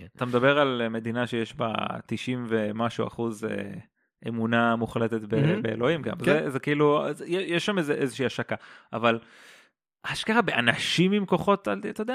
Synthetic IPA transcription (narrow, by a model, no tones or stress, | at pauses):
at̪amed̪abe̞ʁalme̞d̪inaʃejeʃba̰t̪iʃimvemaʃua̰χuzḛ | ʔemunamuχlet̪et̪bebeelo̞imkḛnvzezekiiluzjejeʃːamezeʔezeʃiaʃakaaval | haʃkaxabeʔanaʃimimko̞χo̞t̪alat̪ajodea